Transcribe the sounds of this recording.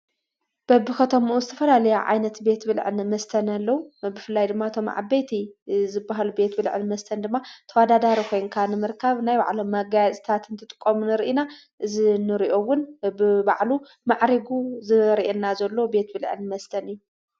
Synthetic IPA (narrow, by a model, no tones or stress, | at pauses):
b̥ɐbːɨkʰɐt̪ʰomuʔuzɨt̪ʰɐfɐlalɐjaʕa̰jnɐt̪be̞t̪bɨlʕɨnmɐst̪ʰɐnɐlːɐwubɨfɨlːajd̪ɨmːaɨt̪ʰo̞m̰ʕa̰bːejt̪ʰizɨbːaɦalube̞t̪bɨlʕɨ̰nmɐst̪ʰɐnd̪ɨmːat̪ʰɐwad̪ad̪aɾikʰo̞jŋkʰanɨmɨɾkʰaβnajba̰ʕlomːɐɡajat͡sʼt̪ʰat̪ʰɨnt̪ʰɨt̪ʼɨkʼːomunɨɾʔina | ʔɨzinɨɾiʔo̞wʊnbɨba̰ʕlu | maʕɾiɡuzɨɾiʔenːazɐlːobe̞t̪̚bɨlʕɨ̰nmɐst̪ʰɐnɨjːu